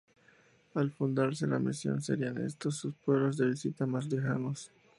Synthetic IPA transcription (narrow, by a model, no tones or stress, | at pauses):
alfund̪aɾse̞lamisjo̞̰nseɾiane̞̰st̪osːuspwe̞βlozðe̞βisit̪amaslexano̞s